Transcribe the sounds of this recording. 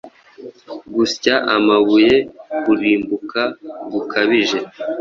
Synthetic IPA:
ɡuscaʔamaβuje̞buɾiːmbukaɡukʰaβiʒe̞

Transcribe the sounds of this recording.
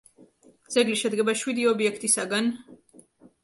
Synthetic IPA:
d̪z̥ɛɡliʃɛd̪ɡɛbaʃwid̪iɔbiɛkʰt̪ʼisaɡan

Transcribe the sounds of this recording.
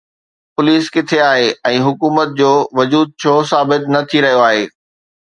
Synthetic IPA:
pʊliːskɪt̪ʰeaːɦeɛ̃ːɦʊkuːmət̪̚d͡ʑoːʋʊd͡ʑuːd̪̚t͡ɕʰoːsaːbɪt̪nɐt̪ʰiɾɐɦijoaːɦeː

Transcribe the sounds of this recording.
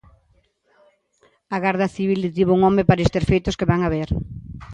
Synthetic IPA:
ɐɣaɾðɐθiβild̪ɪt̪iβuŋɔmepaɾɐest̪eɾfejt̪ʊskeβaŋaβeɾ

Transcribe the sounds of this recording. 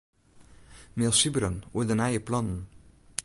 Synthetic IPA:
meːɑsibɾənod̪ɛnæɪəpʰlɑnn̩

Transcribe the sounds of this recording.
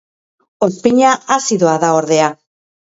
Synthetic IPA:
o̞spiɲaasiðoaðao̞ɾðe̞a

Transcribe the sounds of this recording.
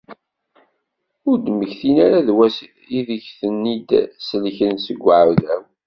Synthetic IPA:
ʊɾd̪məçθinaɾaðwæs | iðəçθənːid̪səlçənsəɡʷːʕuðæw

